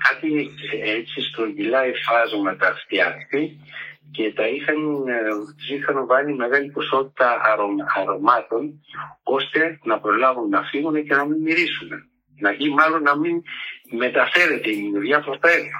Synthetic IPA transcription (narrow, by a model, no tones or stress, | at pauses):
kat̪iet͡ʃist̪ɾoɡilaefazuŋat̪aft̪iakt̪i | ket̪aisan | zixanovanimaɣaniposot̪it̪aaɾoaɾomat̪onkost̪enapɾolavunnafiŋunakenamimiɾisuna | naʔimalunamimet̪afeɾet̪eniðiapɾot̪eɾu